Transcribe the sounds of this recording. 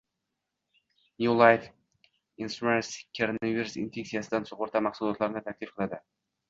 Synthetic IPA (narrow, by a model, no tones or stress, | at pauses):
nulˠajf | inst̪ɾumenskʰoɾonaviɾusḭnfe̞ksijasɪd̪ansʊqoɾt̪ʰamɑχsʊlˠɒt̪laɾɪnɪt̪ʰakʲlɪfqʰɨlˠad̪ɪ